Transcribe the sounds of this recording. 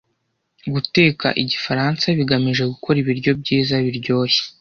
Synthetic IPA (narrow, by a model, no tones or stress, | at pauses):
ɡute̞ːka̰ʔiɟifaɾansaβiɡamiʒe̞ɡukʰo̞ɾiβiɾɟo̞b̚ɟiːzaβiɾɟo̞ːje̥